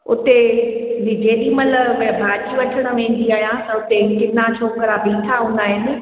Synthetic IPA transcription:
ʊ̰t̪e | d͡ʑeːɗimɐləʋbʱaːd͡ʒiʋɐʈʰəɽ̃ə̆mẽːn̆d̪iaːɦijãsɛ̃ʊt̪ekɪnat͡ɕʰoːkəɾabʱiːtʰaɦũːn̆d̪aːɦɪnɪ̆

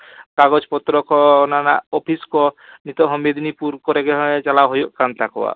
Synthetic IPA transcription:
kaɡɔd͡ʒpɔt̪ɾɔkɔnana̰ɔpʰiskɔnit̪ɔɦɔmed̪inipuɾkɔɾeɡeɦɔet͡ʃalaɦojokant̪akɔwa̰

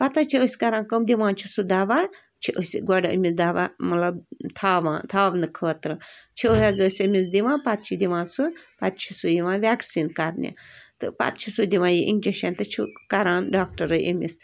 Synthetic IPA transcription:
pɐt̪at͡ʃʰiəsʲkɐɾaːnkəmd̪iʋãːnt͡ʃʰisud̪aːʋaː | t͡ʃʰiʔəsʲɡɐɖə̰misd̪aːʋamɐlɐbt̪ʰaːʋã̰ːt̪ʰaːbnɨkʰəːt̪ɾɨt͡ʃʰiəɦazəsʲɐmisd̪iʋãːpat̪̚t͡ʃʰid̪iʋãːnsupat̪̚t͡ʃʰisujiʋãːʋʲaːksiːnkɐɾnʲḭt̪ɨ̰pa̰t̪̚t͡ʃʰisud̪iʋãːjiʔiŋd͡ʒɐʃeːnʲt̪ɐt͡ʃʰikɐɾãːnɖaːk̚ʈɐɾəjʔḛmis

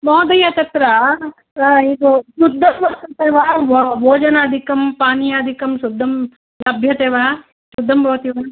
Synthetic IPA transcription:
mɔːd̪ɐjat̪ɐt̪ɾa | id̪osud̪ʱːɐmʋɐst̪ɐt̪eːʋaːʋoːd͡ʒɐnaːd̪ʱikɐmpaːnijaːd̪ʱikɐmsud̪ʱːɐm | lɐbʱjɐt̪eːʋaː | sud̪ʱːɐmbʱɐʋɐt̪iʋɐn

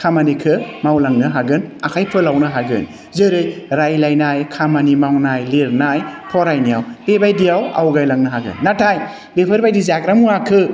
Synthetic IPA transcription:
kʰamanikʰɯmawlaŋnɯɦaɡɯnakʰajpʰɯlawnɯɦaɡɯ̰n | zɯɾɯjɾajlajnajkʰamanimawnajleɾnajpʰɔɾajnijawbebajdijawa̰wɡajlaŋnɯɦaɡɯ̰nːatʰaj | bepʰəɾbajdizakɾamuakʰɯ

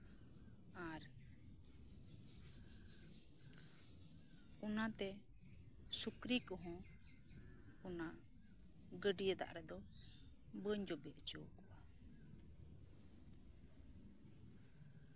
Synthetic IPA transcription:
aɾ | ɔnat̪ɛ | sukɾikɔɦɔ̃ | ɔna | ɡəɖijət̪a̰ʔɾɛd̪ɔ | bəɲd͡ʒɔbɛʔt͡ʃəwkɔʔa

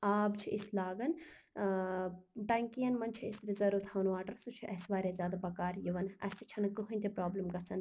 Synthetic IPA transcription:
aːbt͡ʃʰiʔislaːɡɐn | ɖɐŋkijɐnmɐnt͡ʃʰiisɾizɐɾut̪ʰɐʋnʋaːʈɐɾsut͡ʃʰiʔɐsʋaːɾʲezʲjaːd̪abɐkaːɾjiʋɐnɐ̰st̪i̥t͡ʃʰɐnkɨɦunʲt̪ʲipɾaːblɐmɡɐsʰɐn

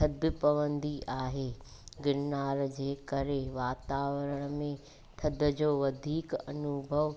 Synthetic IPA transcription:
t̪ʰɐd̪ʱɪpɐʋə̃nd̪iʔaːɦeː | ɡɪɾnaːɾd͡ʑeːkɐɾeʋaːt̪aːʋəɾəɽ̃əmẽ | t̪ʰɐd̪ə̆d͡ʑoːʋɐd̪ʱiːkɐnʊbʱəʋ

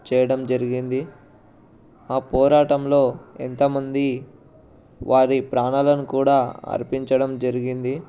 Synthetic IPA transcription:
t͡ʃɛːjɐɽɐmd͡ʒɐɾiɡind̪i | aːpɔːɾaːʈɐmlo̞ːḛnt̪ɐmɐnd̪i | ʋaːɾipɾaːɳalɐnukuːɽaːɐ̰ɾpiɲt͡ʃɐɽɐmd͡ʒɐɾiɡind̪i

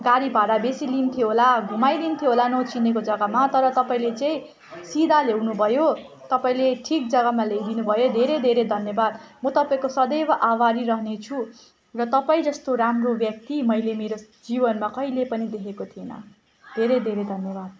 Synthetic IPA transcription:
ɡaɾibʱaɾabesilint̪ʰijoɦolaɡʱumajlint̪ʰjoɦolanʌt͡sinekod͡zʌɡamat̪ʌɾʌt̪ʌpaĩlet͡saĩ | sid̪ʱalewnubʱʌjo | t̪ʌpaĩleʈʰik̚d͡zʌɡamaled̪inubʱʌjod̪ʱeɾed̪ʱeɾed̪ʱʌnjʌbad̪mʌt̪ʌpaĩkosʌd̪ʌjbaʔawaɾiɾʌɦnet͡sʰu | rʌt̪ʌpaĩd͡zʌst̪oɾamrobjʌk̚t̪imʌjlemeɾo | d͡zibʌnmakʌilepʌnid̪ekʰekot̪ʰienʌ̰ | d̪ʱeɾed̪ʱeɾed̪ʱʌnjʌbad̪̚

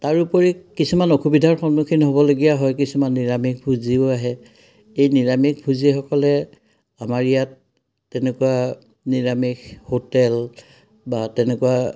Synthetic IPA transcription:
taɹupɔɹikisumanoxubidʱaɹxɔnukʰinɦobɔloɡijaɦɔjkisumanːiɹamik̚bʱuzioaɦɛ | ejniɹamik̚bʱuzixɔkɔlɛ | amaɹijatː | ɛnɛkuwa | niɹamikhotɛl | batɛnɛkuwa

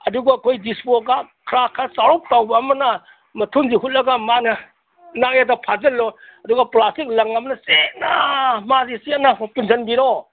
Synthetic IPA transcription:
ɐduɡakʰojdispoɡakʰɾakʰasaɾup̚tawbɐːmɐnɐ | mɐtʰunziɦut̚lɐɡamanɐ | najadapʰazɐlːɔɐduɡɐplastik̚lɐŋɐmɐnɐsenamazisinamupinzʰɐnbiɾɔ

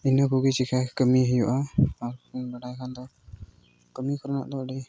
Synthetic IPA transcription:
inɔkuɡit͡ʃikʰakəmiɦəjɔʔaːɾbaɖajkʰand̪ɔ | kəmikʰɔɾɔna̰ʔd̪ɔɖi

